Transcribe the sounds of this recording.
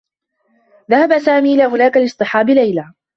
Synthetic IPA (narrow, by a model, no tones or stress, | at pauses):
ðahabasaːmiːʔɪlaːhʊlaːkalɨsˤt̪ˤɨħɑːbɪlajla